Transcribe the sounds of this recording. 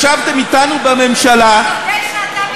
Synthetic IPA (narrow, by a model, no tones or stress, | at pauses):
ʃavt̪emit̪anubamemʃala